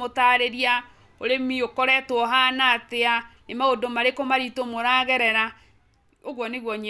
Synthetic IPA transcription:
otaɾeɾia | oɾemiokɔɾɛtoɔɦanateanemaodomaɾekomaɾitomoɾaːɣɛɾɛɾa | oɣwɔneɣwɔɲe

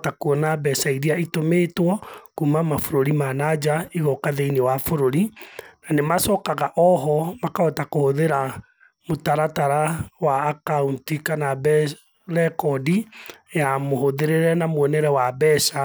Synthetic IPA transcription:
takuɔnabɛsaiɾiaitomeːtwɔkumamafoɾoɾimanad͡ʒaiɣɔkaðeinewafoɾoɾinanemasɔːkaɣaʔɔɦɔmakaɔtakohoðeɾa | motaɾataɾawaːkauntikanabɛ | ɾɛkɔdijamoɦoðeɾeɾɛnamoɛnɛɾɛwabɛsa

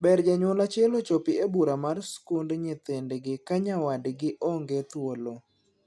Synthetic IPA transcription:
bɛrd͡ʒaɲʊlat͡ʃɛlot͡ʃɔpɪebuɾamarskundɲɪt̪endɡɪkaɲawadɡɪʔɔŋɡet̪wolo

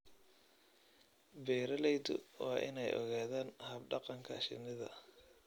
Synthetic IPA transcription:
bɛːɾɐlɛjd̪ʊ̰wɑːʔɪ̰nɛjʔɔ̰ɣaːðaːnhɐbɖɑqɑŋkʰɐ̰ʃɪ̰nɪðɐ̰

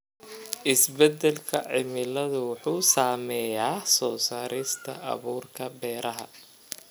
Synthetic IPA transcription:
ʔɪsbɛd̪ɛlkʰɐʕɪmɪlɐðʊwʊħuːsaːmɛːjaːsɔːsaːɾɪst̪ʰɐ̰ʔɐ̰βuːrkʰɐbɛːɾʔɐɦɐ̰

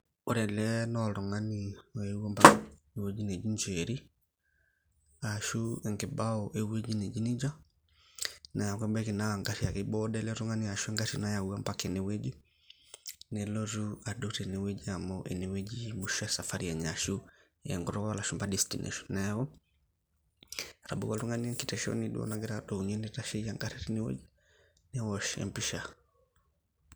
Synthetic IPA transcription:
oɾɛlɛnɔlɔŋaniɔeuambaknwed͡ʒined͡ʒiɲd͡ʒeɾi | aʃuɛŋɡebaɔʔewed͡ʒined͡ʒinid͡ʒa | najakwɛmbɛkinaaŋɡaʃiakɪbɔdɛlɛɾɔŋaniaʃuɛŋɡaɾinajauampakenewed͡ʒi | nɛlɔzuaduɾɛnewed͡ʒiamɔʔɛ̰newɛd͡ʒimuʃasafaɾiaɲaʃu | jɛŋɡɔɾɔwalaʃumbadɛstḭnʔɛ̰ʃɔ̥nnɛɣɔ | ɾabukatuŋɡaniɛkitɛʃɔ̰niɗṵɔ̰naɡɛɾadɔuɲɛnɛtaʃɛiaŋɡaɾiɾiniwɛ̰d͡ʒi | nɛwɔʃɛ̰mpiʃa

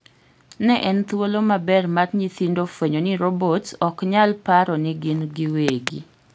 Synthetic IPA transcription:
nɛʔɛnt̪wolomabɛrmarɲit̪indofweɲonɪɾobotɔkɲalpaɾɔnɪɡinɡiweɡḭ

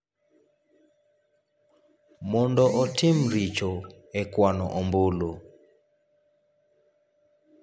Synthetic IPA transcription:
mɔndɔʔɔtʰim̩ɾit͡ʃɔ | ɛkwanɔ̰ʔɔmbulu

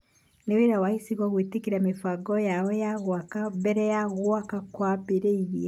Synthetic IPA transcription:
neweɾawahisiɣwaɣwitikiɾamifaɡɔjaɔjaɣwakambɛɾɛjaɣwakakwapiɾeiɣiɛ

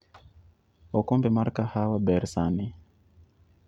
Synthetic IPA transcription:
ɔkɔmbɛmaɾkahawabɛɾsani

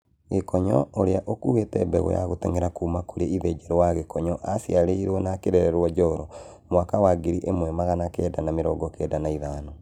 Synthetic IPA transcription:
ɣekɔɲɔoɾeaʔokuwetɛbɛɣɔ̰ja̰ɣotɛŋɛɾakumakoɾeiðɛd͡ʒɛɾɔwaɣekɔɲɔʔasjaɾeiɾwɔnakeɾɛɾɛɾwɔd͡ʒɔɾɔ | mowakawaɡiɾiʔemwɛmaɣanakɛːdanameɾɔɡɔkɛdanaiðanɔ

